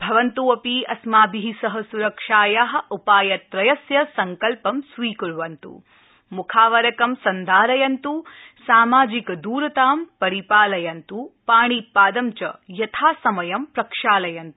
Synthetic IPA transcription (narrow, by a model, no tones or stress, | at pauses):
bʱɐʋɐnt̪uɐpiɐsmaːbiɦisɐɦɐsuɾɐkʂaːjaɦɐ̆upaːjɐt̪ɾɐjɐsjɐsɐŋkɐlpɐmsʋiːkuɾʋɐnt̪ṵ | mukʰaːʋɐɾɐkɐmsɐnd̪ʱaːɾɐjɐnt̪usaːmaːd͡ʒikɐd̪uːɾɐt̪aːmpɐɾipaːlɐjɐnt̪upaːɳipaːd̪ɐmt͡ʃɐ̰jɐt̪ʰaːsɐmɐjɐmpɾɐkʂaːlɐjɐnt̪u